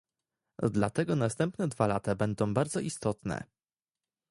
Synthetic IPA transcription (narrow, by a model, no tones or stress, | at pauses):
d̪lat̪ɛɡɔnast̪ɛmpnɛd̪valat̪abɛnd̪ɔ̃w̃baɾd̪zɔʔist̪ɔt̪nɛ̰